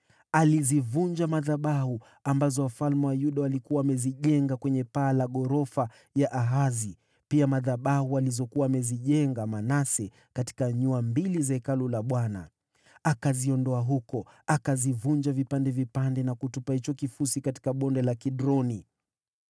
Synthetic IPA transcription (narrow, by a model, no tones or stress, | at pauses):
alizivuɲd͡ʒamaðaɓahu | ambazɔwafalmɛwajuɗaalikuaːmɛziʄɛŋɡakwɛɲɛpaːlaɠɔɾɔfa | jaʔaɦazi | piamaðaɓahualizɔkuwaːmɛziʄɛŋɡamanasɛ | kati̥kaɲuambilizaɛkalulaɓwana̰ | akaziɔndɔaɦukɔ | akazivuɲd͡ʒavipandɛvipandɛnakutupahit͡ʃɔkifusikati̥kaɓɔndɛlakiɗɾɔni